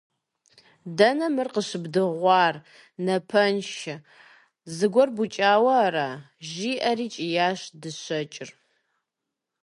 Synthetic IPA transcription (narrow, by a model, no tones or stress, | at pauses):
dɐnɐmɨrqəɕɨbdɨʁʷɑːr | nɐpʰɐnʃɪ | zɨɡʷɔrbut͡ʃʼaːwɐɾa | ʒiːʔɐɾiːt͡ʃʼijaːɕdɨɕɐt͡ʃʼɪr